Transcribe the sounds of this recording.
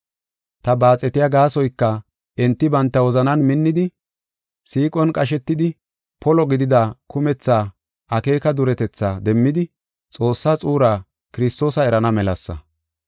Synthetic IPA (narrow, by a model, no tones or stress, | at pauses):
t̪ɐbaːt͡sʼːɛt̪ɪjaɡaːsɔjkːɐ | ɛnt̪ːɪbɐnt̪ːɐwɔzɐnɐnmɪnːɪd̪ɪ | siːkʼɔnkʼɐʃ̬ɛt̪ːɪd̪ɪ | pɔlɔɡɪd̪ɪd̪akʰʊmɛt͡sːaː | ʔɐke̞ːkɐd̪ʊɾɛt̪ɛt͡sːaːd̪ɛmːɪd̪ɪ | t͡sʼo̞ːsːaːt͡sʼuːɾaː | kɪɾɪst̪o̞ːsɐɛɾɐnɐmɛlɐsːɐ̰